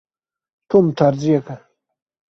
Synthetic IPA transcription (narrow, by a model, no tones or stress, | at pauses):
t̪ʰomt̪ʰaɾzijaka